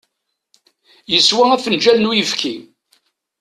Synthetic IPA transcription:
jəswææfənd͡ʒælnujəfkʰi

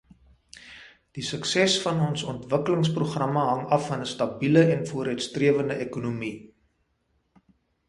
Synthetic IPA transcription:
d̥isəksɛsfɐnɔnsɔntvəkələŋspruχrɐmɐɦɐŋɐfɐnəstɐbiləɛnfuəɾœɥtstriəvəndəʔekunumi

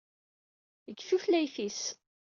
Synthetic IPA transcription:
əɡːfuflæjfis

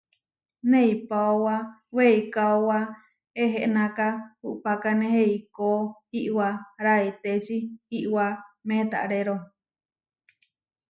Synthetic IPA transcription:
neipaowaweikaowa | eɦeʔnãkahuʔpakaneheikohiʔwaɾait̪et͡ʃihiʔwamẽt̪a̰ʔɾeɾo

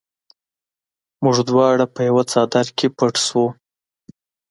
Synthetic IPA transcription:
mʊʐd̪wɑɽapəjawat͡sɑd̪aɾkʰepaʈswu

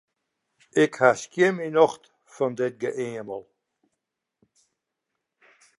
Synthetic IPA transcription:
ɪkhaskjɪminɔxt | fɔndɪt̚ɡəʔeːəməlˠ

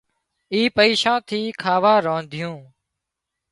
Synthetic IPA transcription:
iːpəiːʃãːt̪ʰiːkʰaːʋaːɾõːnd̪ʱɪjũː

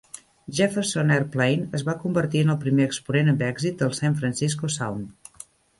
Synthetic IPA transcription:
ʒefəɾsonɛrplejnəzβakumbəɾt̪iənəlˠpɾimeəkspunenəmbɛɡzit̪̚d̪əlˠsaɱfɾənsiskusa̰wn

